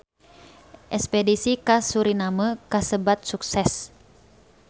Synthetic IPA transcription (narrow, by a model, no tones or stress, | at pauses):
ʔɛspɛdisikasuɾinaməkasəbat̪̚suksɛs